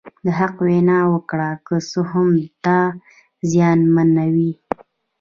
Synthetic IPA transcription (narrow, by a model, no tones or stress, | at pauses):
d̪əɦaqwenɑwəkɽakəsoɦamt̪ɑ | zjɑnmanawi